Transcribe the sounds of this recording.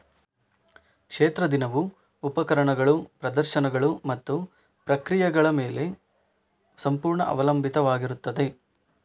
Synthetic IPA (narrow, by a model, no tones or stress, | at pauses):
kʂeːt̪ɾɐd̪inɐʋu | upɐkɐɾɐɳɐɡɐɭupɾɐd̪ɐɾʃɐnɐɡɐɭumɐt̪ːu | pɾɐkɾijɐɡɐɭɐmeːle̞ | sɐmpuːɾɳɐʔɐ̰ʋɐlɐmbʱit̪ɐʋaːɡiɾut̪ːɐd̪e̞